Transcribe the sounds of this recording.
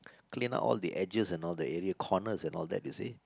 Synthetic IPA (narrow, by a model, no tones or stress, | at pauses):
klĩna̰ʔɔ̰ldiʔɛd͡ʒəsɛ̃nɔldəɛɹiəkʰɔnəsɛ̃nɔldɛ̰t̚ise